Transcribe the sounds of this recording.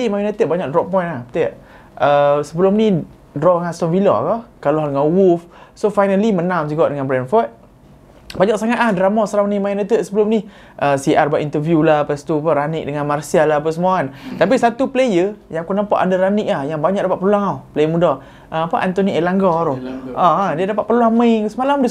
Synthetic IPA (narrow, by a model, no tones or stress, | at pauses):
imajunat̪ət̪̚baɲaʔ̚drɔʔpɔjnahpt̪iaʔ | ʔəsəbəlʊmni | dɾɔʔŋast̪ɔnvilɔ̰kɔkalɔɦdəŋawufsofajnəlimənamsiɡɔʔdəŋãnbɾɛnfɔt̪̚ | baɲaʔsaŋaʔ̪ahdɾamɔsɾamnimajunat̪əʔ̪̚səbəlʊmni | ʔəsiʔarbaʔint̪əvjulapast̪uapaɾanik̚dəŋãnmarsialaɦpasəmuant̪apisat̪uplejəjãŋkunampaʔandaɾanikahjaŋbaɲakdapat̪ʔ̚pərluaŋaplejəmudɔ | ʔəapaʔant̪oniʔelaŋɡɔɾuʔãadiədapatʔ̪̚pərluaŋməiŋsəmalamdə